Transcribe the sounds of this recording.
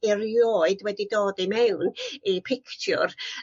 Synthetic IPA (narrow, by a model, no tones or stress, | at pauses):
irjoːɨdwɛdidoːdimɛwnipʰɪkʰt͡ʃʰʊ̰r